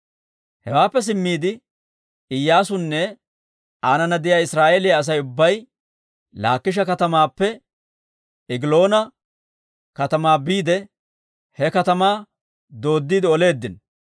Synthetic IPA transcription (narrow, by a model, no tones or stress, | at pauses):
hɛwaːpːɛs̬ɪmːiːd̪ɪ | ɪjːaːsʊnːɛ | aːnɐnɐd̪ɪjaːɪsɾaːʔeːlɪjaːs̬ɐjʊbːɐj | la̰ːkːɪʃ̬ɐkɐt̪ɐmaːpːɛ | ɪɡɪlo̞ːnɐ | kɐt̪ɐmaːbiːd̪ɛ | hɛkɐt̪ɐmaː | d̪o̞ːd̪ːiːd̪ɪɔle̞ːd̪ːɪn